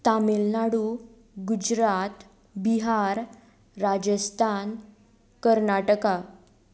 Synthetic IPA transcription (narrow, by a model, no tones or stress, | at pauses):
t̪amelnaɽu | ɡud͡ʑɾat̪ | biɦaɾː | ad͡ʑəst̪ʰan | kəɾnaʈəka